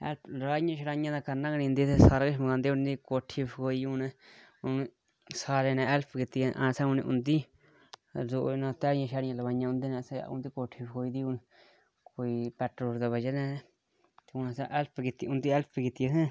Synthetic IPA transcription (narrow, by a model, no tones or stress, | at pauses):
ḛlpɾaɲãʃaɾaɲãd̪akanãkanĩnd̪it̪esaɾakeʃmukand̪eund̪ikoʈʰifkoijunẽ | uni | saɾenãelpʰkit̪ḭʔãsaunḭ̃ṵnd̪i | zoʔnãt̪ɛɾɲãʃaɾɲãlaβaɲãũnd̪inãsaja̰ṵnd̪ikoʈʰifkoid̪iun | koipɛʈɾoɾd̪aβad͡ʒanɛ̃ | t̪iunãsaʔelpʰkit̪iund̪ielpʰkit̪iɦẽ